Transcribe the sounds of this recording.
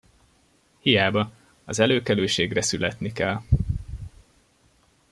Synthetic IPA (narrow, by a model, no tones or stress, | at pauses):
hijaːbɒ | ɒzɛløːkɛløːʃeːɡrɛsylɛt̪nikɛl